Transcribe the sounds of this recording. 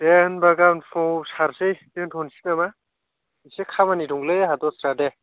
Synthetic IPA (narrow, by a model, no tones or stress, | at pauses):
denbaɡanfʰɔsaɾsɯjtentʰɔnsi̥nama | isekʰamaniduŋlɯjɦadɔsɾade